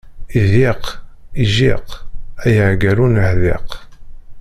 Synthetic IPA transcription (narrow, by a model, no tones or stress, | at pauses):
iðiqiʒiqæjəʕɡæɾunhðḭq